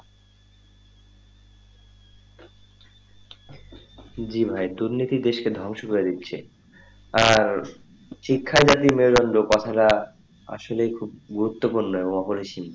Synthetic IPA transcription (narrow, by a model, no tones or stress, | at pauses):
d͡ʑibʱaed̪uɾnit̪id̪eʃked̪ʱɔŋʃokoɾed̪itːɕʰḛ | aɾ | ʃikʰːad͡ʑat̪imeoɾɔnɖokɔt̪ʰaɾa | a̰ʃolejkʰub̚ɡuɾut̪ːopuɾnoeboŋɔpoɾiʃin